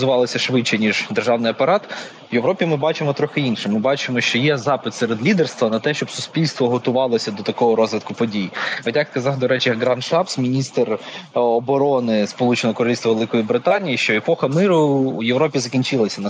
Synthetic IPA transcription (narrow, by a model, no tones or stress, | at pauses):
zʊʋɑlˠɔsʲɐʃʋɪt͡ʃːɛnʲiʒd̪erʒɑwnɪjɐpɐɾɑt̪ | wjeʋɾɔpʲimɪbɑt͡ʃɪmɔt̪ɾɔxɪinʃɪmɪbɑt͡ʃɪmɔʃt͡ʃɔjɛzɑpɪt̪sɛɾed̪lʲid̪erst̪ʋɐnɐt̪ɛʃt͡ʃɔbsʊsʲpʲilʲst̪ʋɔɦɔt̪ʊʋɑlˠɔsʲɐd̪ɔt̪ɐkɔɦɔɾɔzʋʲit̪̚kʊpɔdʲijiɔt̪ʲjɐkskɐzɑwd̪ɔɾɛt͡ʃɪjɐɡɾɑnʃt̪ɑpsmʲinʲist̪rɔbɔɾɔnɪspɔlˠut͡ʃenɔɔkɔɾɔlilsʋɐʋelˠɪkɔjibɾɪt̪ɑnʲijiʃt͡ʃɔepɔxɐmɪɾʊːjeʋɾɔpʲizɐkʲinʲt͡ʃɪlˠɐsʲɐnɐ